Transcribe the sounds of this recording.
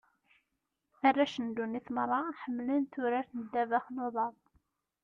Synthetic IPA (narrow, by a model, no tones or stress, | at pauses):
ærːæʃənd̪uniθmrˤːɑħəmːlənt̪ʊɾæɾθnəd̪ːævæχnoðˤɑðˤ